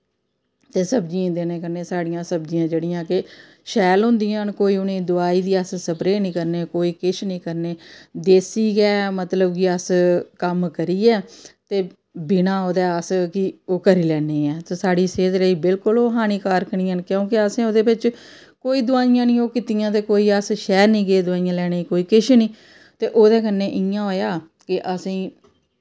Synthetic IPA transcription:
t̪eːsəbd͡ʒiãːd̪eːnẽːkəɾneːsaːɽijãːsəbd͡ʒijãːd͡ʒeːɽɪjãːkɪ | ʃɛːlɦʊ̃nd̪ijãːnkoːiːʊnẽːd̪ʊaːiːd̪iːəssəpɾeːnĩːkəɾneːkoːiːkɪʃnĩːkəɾneːd̪eːsiːɡɛːmət̪ləbkɪəskəmkəɾiːɛːt̪eː | bɪnãːoːd̪ɛːəskɪoːkəɾiːlɛːneːɛːt̪eːsaːɽiːseːd̪ləiːbɪlkʊloːɦaːñiːkaːɾkʰɳiːənkjõːkɪəsẽːoːd̪eːbɪt͡ʃ | koːiːd̪ʊãːijãːnĩːoːkɪt̪ijãːt̪eːkoːiːəsʃɛːɾnĩːɡeːd̪ʊãːijãːlɛːneːikoːiːkɪʃnĩː | t̪eːʔoːd̪eːkənːeːʔɪjãːoːjaː | kɪʔəsĩː

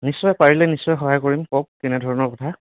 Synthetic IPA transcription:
nisːɔjpaɹilɛnisːɔjxɔɦajkoɹimkok̚kɛnɛdʱɔɹɔnɔɹkɔtʰa

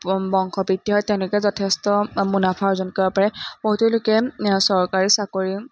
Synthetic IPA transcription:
bɔŋkɔpitːiɦɔjtɛ̃ʊ̃lʊkɛzɔtʰestɔmunapʰaɹzɔnkɔbapaɹɛb̥oɦutulʊkɛsɔɹkaɹisakoɹi

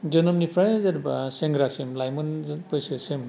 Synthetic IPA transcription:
d͡ʒɔnɔmnipʰɾajzaɾbaseŋɡɾasemlajmɔnpɔjsesem

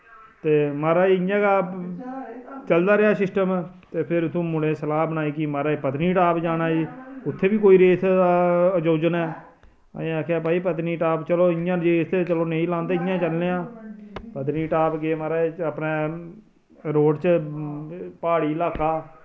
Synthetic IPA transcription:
t̪eːmaːɾaːiɪjãːkaː | t͡ʃəld̪aːɾɪaːsɪsʈəm | t̪eːpʰɪɾt̪ʰũːmʊɽẽːsəlaːbənaːiːkimaːɾaːiːpət̪niːʈaːpd͡ʒaːnaːiːʊt̪ʰːeːbiːkoːiːɾeːsaəd͡ʒoːd͡ʒənɛ̰̃ː | aːkʰaːp̬aːiːpət̪niːʈaːpt͡ʃəloːɪjãːd͡ʒeːst̪et͡ʃəloːnəĩːlãːnd̪eːɪjãːt͡ʃəlneːãːpət̪̬niːʈaːpɡeːmaːɾaːəpneː | ɾoːɖt͡ʃ | paːɽiːlaːkaː

